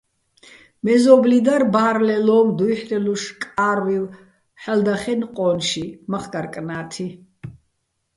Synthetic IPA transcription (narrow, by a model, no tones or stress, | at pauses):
mɛzɔblid̪arbaːɾlɛlɔmd̪ujħlɛluʃkʼaɾviv | ħɛld̪aχɛnqʼɔnʃimaχɡaɾkʼnaːt̪ʰi